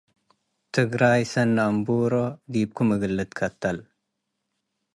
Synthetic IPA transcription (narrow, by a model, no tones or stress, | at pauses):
t̪ʰɨɡɾajsɐnːambuɾod̪ib̚kʰumɐɡɨlːɨt̪kʰɐt̪ʰːɐl